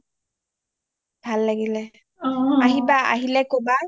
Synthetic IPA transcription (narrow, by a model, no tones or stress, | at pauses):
b̥ʱalːaɡilɛ | aɦibaa̰ɦilɛkoba